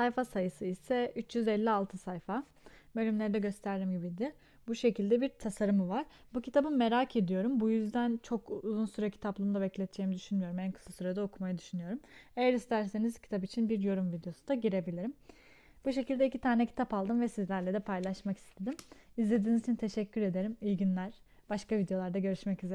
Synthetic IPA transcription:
sajfasajɯsɯisɛyt͡ʃjyzɛlʲːialˠt̪ʰɯsajfa | bølʲymlʲe̞ɾid̪ɛɟø̞st̪ʰæɾd̪imɟibid̪ɪ | buʃe̞cilʲd̪ɛbiɾt̪ʰasaɾɯmɯvaɾ̥ | bucʰit̪ʰabɯmːe̞ɾacʰe̞d̪ijo̞ɾumbujyzd̪ænt͡ʃʰo̞kuzunsuɾacʰi̥t̪ʰaplˠumd̪abɛclʲɛt̪d͡ʒeːimid̪yʃynmyjo̞ɾumænkʰɯ̥sˠasyɾad̪ao̞kʰumajad̪yʃynyjo̞ɾume̞jæɾist̪ʰæɾse̞niz̥cʰi̥t̪ʰapit͡ʃʰinbiɾjo̞ɾumvid̪ejo̞sud̪aɟiɾe̞bilʲiɾim | buʃe̞cilʲd̪ɛicʰit̪ʰaːnɛcʰi̥t̪ʰapalˠd̪ɯmvɛsizlʲæɾlʲed̪ɛpʰajlˠaʃmaki̥st̪ʰe̞d̪imizlʲe̞d̪iːnizit͡ʃʰint̪ʰe̞ʃɛcʰʲːyɾe̞d̪e̞ɾimiɟinlʲæɾ̥ | b̥aʃkavid̪ejo̞lˠaɾd̪aɟø̞ɾyʃmɛcyze

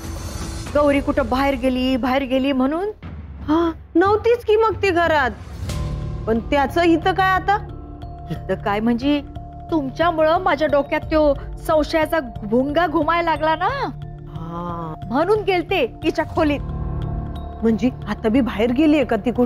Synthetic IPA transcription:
ɡəwɾikuʈʰəbaɦeɾɡeliːbaɦeɾɡeliːm̤əɽ̃uːn | hã | nəʋt̪iːt͡skiːmək̚t̪iɡʱəɾat̪̚ | pəɳt̪jat͡səːɦit̪əkajat̪a | ɦit̪əkajm̤əɳd͡ze | t̪umt͡ɕjamuɭəmad͡ʑʱjaɖokjat̪ːjosə̃w̃ɕjat͡saɡbʱoŋɡaɡʱumajlaɡlana | hãm̤əɽ̃uːnɡelt̪ekit͡ɕjakʰoliːt̪̚ | m̤əɳd͡ʑeat̪abiːbʱaɦeɾɡeliekat̪iku

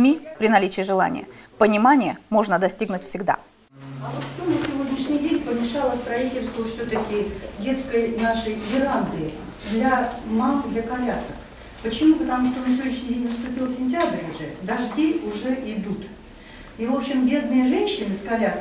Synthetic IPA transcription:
mʲipɾʲɪnɐlʲit͡ɕɪːʐɨlˠa̰nʲɪ̰jə̰pənʲɪmanʲɪjəmo̞ʐnəd̪ɐsʲtʲiɡnʊtʲfsʲɪɡd̪a̰ | ɐvot̪ʂt̪onəsʲɪvo̞dʲnʲɪʂnʲɪjdʲenʲpəmʲɪʂalˠəst̪ɾɐitʲɪlʲst̪vəfsʲɵt̪əkʲɪdʲe̞t̪skəjnaʂəjɡʲɪɾand̪ɨɪ | d̪lʲamakd̪lʲɐkɐlʲasək | pət͡ɕɪmupət̪ɐmuʂt̪onəfsʲɪvʲoɲʲɪɕnʲɪdʲenʲvəst̪ʊpʲilˠsʲɪnʲtʲabɾʲʊʐɛd̪ɐʐdʲeʊʐɛʔɪd̪ut̪ | ivo̞pɕɪmbʲe̞d̪nɨjəʐɛnʲɕːɪnɨskɐlʲas

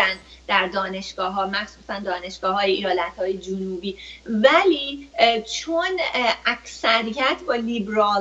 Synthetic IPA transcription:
ænd̪d̪æɾd̪ɒːne̞ʃɡ̥ɒːɦɒːmæxsuːsænd̪ɒːne̞ʃɡ̥ɒːɦɒːjeijɒːlæt̪hɒːjed͡ʒunuːbiːvæliːt͡ʃʰonʔæcsæɾijæt̪ʰbɒːlibɾɒː

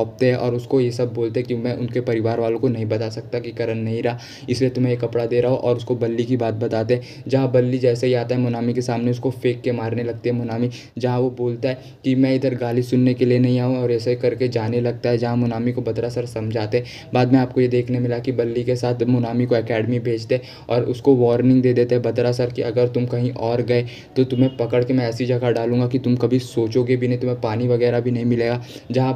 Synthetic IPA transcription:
ɔːp̚t̪eɦɛ̃ʔɔ̰ːɾʊskojesɐb̚ːoːlt̪eɦɛkimɛ̃ʔʊnkepɐɾɪʋaːɾʋaːlõkonɐɦĩbɐt̪aːsɐk̚t̪akikɐɾənːɐɦĩɾɐɦa | ɪsliet̪ʊmɦẽjekɐpɽad̪eːɾɐɦoʔɔːɾʊskobɐlːikibaːt̪̚bɐt̪aːt̪eɦɛ̃ | d͡ʒɐɦãbɐlːid͡ʒɛːseɦiaːt̪aɦɛmʊnaːmikesaːmneʊskofeːkːemaːɾnelɐɡ̚t̪eɦɛmʊnaːmi | d͡ʒɐɦãʋoboːlt̪aɦɛ | kimɛ̃ɪd̪əɾɡaːlisʊnːekelienɐɦĩaːɦũɔːɾɛːsekɐɾked͡ʒaːnelɐɡ̚t̪aɦɛd͡ʒɐɦãmʊnaːmikobɐd̪ɾasɐɾsɐmd͡ʒʱaːt̪eɦɛ̃ | baːd̪mɛ̃aːp̚kojed̪eːkʰnemɪlakibɐlːikesaːt̪ʰmʊnaːmikoɛkɛːɖmibʱeːd͡ʒt̪eɦɛ | ɔːɾʊskoʋɔːɾnɪ̃ŋɡd̪eːd̪eːt̪eɦɛbɐd̪ɾaːsəɾkiʔɐɡəɾt̪ʊmkɐɦĩʔɔːɾɡɐe | t̪ot̪ʊmɦẽpɐkəɽkemɛ̃ɛːsid͡ʒɐɡaɖaːlũːŋɡakit̪ʊmkɐbʱisoːt͡ʃoːɡebʱinɐɦĩt̪ʊmẽpaːniʋɐɣɛːɾabʱinɐɦĩmɪleːɡaː | d͡ʒɐɦã

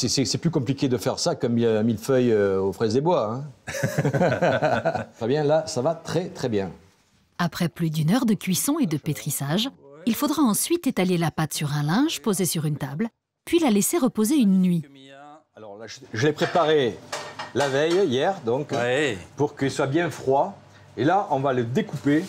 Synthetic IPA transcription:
sɛsɛsɛplykɔ̃plikʲed̪əfɛʁsakə̃mĩmilfœjøofχɛzd̪ebwaɛ̃ | t̪χɛbjɛ̃lasavat̪χɛt̪χɛbjɛ̃ | apχɛplyd̪ynœʁd̪əkʲɥisɔ̃ed̪əpet̪χisaʒilfod̪ʁaɑ̃sɥit̪et̪alelapat̪syʁɛ̃lɛ̃ʒpozesyʁynt̪abl | pɥilaleseʁəpozeynːɥi | alɔʁlaʒʒəlepχepaʁe | lavɛjijɛʁd̪ɔ̃kpuʁkəilswabjɛ̃fχwa | elaʔɔ̃valəd̪ekupe

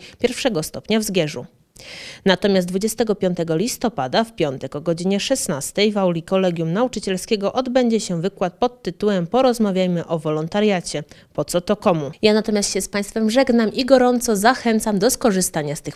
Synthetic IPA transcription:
pʲjɛɾfʂɛɡɔst̪ɔpɲavzɡʲjɛʐu | nat̪ɔmʲjasd̪vud͡ʑɛst̪ɛɡɔpʲjɔnt̪ɛɡɔlʲist̪ɔpad̪afpʲjɔnt̪ɛkɔɡɔd͡ʑiɲɛʂɛsnast̪ɛjvawlʲikɔlɛɡʲjumnaut͡ʂɘt͡ɕɛlskʲɛɡɔʔɔd̪bɛɲd͡ʑɛɕɛvɘkwat̪̚pɔt̪ːɘt̪uwɛmpɔɾɔzmavʲjajmɘʔɔvɔlɔnt̪aɾjat͡ɕɛpɔt̪sɔt̪ɔkɔmujanat̪ɔmʲast̪ɕɛspaj̃st̪fɛmʐɛɡnamʔiɡɔɾɔnt̪sɔzaxɛnt̪samd̪ɔskɔʐɘst̪aɲast̪ɘx

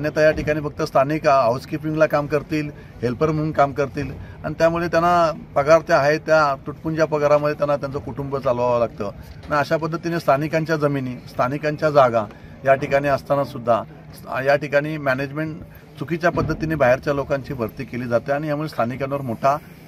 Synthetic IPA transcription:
anjət̪ajaʈikaɽ̃iːfək̚t̪əst̪ʰanikaawskip̬ĩŋɡlakamkəɾt̪iːl | ɦelpəɾm̤əŋkamkəɾt̪iːla̰ɽ̃it̪jamuɭet̪janapəɡaɾt̪jaaɦet̪jat̪uʈpund͡ʑjapəɡaɾaməd̪ʱjet̪janːat̪̬jant͡sɔkuʈumbət͡saloʋaʋolaɡt̪ənaəɕap̬əd̪ʱːət̪inest̪ʰanikãɲt͡ɕjad͡zəminiːst̪ʰanikaɲt͡ɕjad͡zaɡã | jaʈikaɽ̃iəst̪anasud̪ʱːa | jaʈikaɽ̃iːmæned͡ʑmeɳʈ | t͡sukit͡ɕjapəd̪ʱːət̪inebaɦeɾt͡ɕjalokaɲt͡ɕiːbʱəɾt̪iːkeliːd͡zat̪eaɽ̃ijamuɭest̪ʰanikanʋəɾmoʈʰa

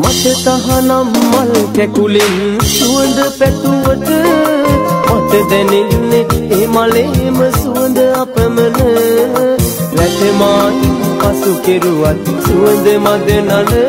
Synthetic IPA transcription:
mɐt̪ət̪aɦanammɐlkɛkulensuənd̪əpɛt̪uʋət̪ə | mɐd̪əd̪ɛneneemaleməsuʋənd̪əapəmənə | ʋɛt̪emaːk̪ipasukeɾuʋat̪suənd̪əmad̪ənal

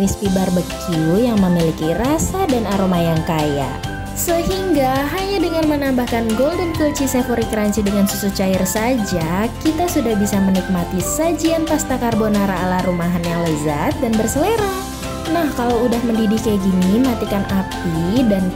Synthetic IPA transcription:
ispibarbəkiujaŋməmilikirasadanaɾomajaŋkaja̰ | səɦiŋɡaɦaɲadəŋarmənambahkanɡoldənkəlt͡ʃisefoɾikəɾaɲt͡ʃidəŋansusut͡ʃaɪrsad͡ʒakit̪asudahbisamənik̚mat̪isad͡ʒianpast̪akarbonaɾaːlarumaɦanjaŋləza̰t̪̚danbərsəleɾa | nahkalawudahməndidikaɡiniməɦat̪ikanʔapidan

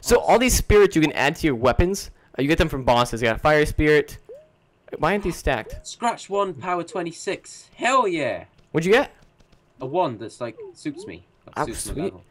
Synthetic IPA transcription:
soʊʔɔlˠðiz̥spɪɹɨtsjɨkɨ̃nʔæ̰d̚tʰɨjə˞wɛpɨ̃nz̥ | ʔjɨɡɛt̪̚ðɨ̃ɱfɹʌ̃mbɔsɨzjɨɡɑɾəfaɪə˞spɪɹɪt | waɪɛ̃nði̥stæ̰k̚t̚skɹat͡ʃwʌ̃npʰaʊətʰw̥ɛ̃ntisɪkshɛlˠjɛ | wədd͡ʒɨɡɛt̚ | əwʌ̃nðətslaɪk̚sʉˑtsmḭ | aswi

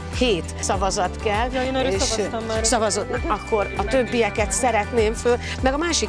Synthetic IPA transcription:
heːt̪sɒvɒzɒt̪kɛlːeːʃsɒvɒzod̪nɒkːo̞ɾɒt̪ø̞bːiɛkɛt̪sɛɾɛt̪neːɱføːl | mɛɡɒmaːʃi

